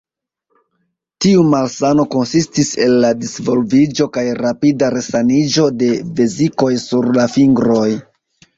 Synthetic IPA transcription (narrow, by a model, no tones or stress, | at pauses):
tiumalsano̞ko̞nsistise̞lːadisvo̞lvid͡ʒo̞kajɾapidaɾe̞sanid͡ʒo̞de̞ve̞ziko̞jsuɾlafiŋɡɾo̞j